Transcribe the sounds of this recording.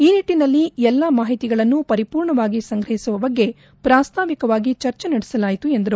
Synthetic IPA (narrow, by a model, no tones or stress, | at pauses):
iːniʈːinɐlːiɛlːɐmaːɦit̪iɡɐɭɐnːupɐɾipuːɾɳɐʋaːɡisɐŋɡɾɐɦisuʋɐbɐɡːe̞ | pɾaːst̪ʰaːʋikɐʋaːɡit͡ʃɐɾt͡ʃenɐɽɛsɐlaːjit̪ue̞nd̪ɐɾu